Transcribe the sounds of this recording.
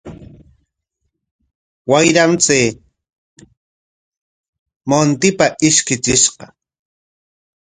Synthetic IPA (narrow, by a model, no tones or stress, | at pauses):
wajɾamt͡seː | mont̪ɪpaʔɪʃkɪt͡ʃɪʃqɑ